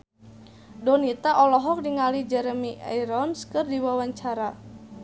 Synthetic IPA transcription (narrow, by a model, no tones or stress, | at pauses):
dɔnit̪aʔɔlɔɦɔk̚diŋalid͡ʒɛɾəmia̰jɾɔnskɨrdiwawaɲt͡ʃaɾa